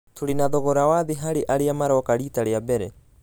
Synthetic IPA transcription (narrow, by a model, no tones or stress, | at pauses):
tʰuɾinaðoɣoɾawaðiɦaɾiʔaɾiamaɾɔkaɾiːtaɾeabeɾe